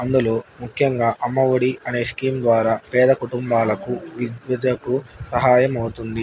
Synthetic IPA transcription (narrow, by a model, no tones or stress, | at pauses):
ɐnd̪ulo̞ːmukʰjɐŋɡaːʔɐmːɐʋɐɽiɐne̞ːskiːmd̪ʋaːɾaːpɛːd̪ɐkuʈumbaːlɐkuʋiʋɐd̪ɐkusɐɦaːjɐmɐwut̪und̪i